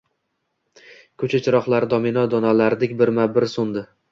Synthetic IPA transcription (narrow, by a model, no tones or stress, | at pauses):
kʰɵt͡ʃʰat͡ʃʰɪɾɒχlˠaɾd̪ɒmɪnɒd̪ɒnalaɾd̪ɪkʲbɪɾmabɪɾsʊnd̪ɪ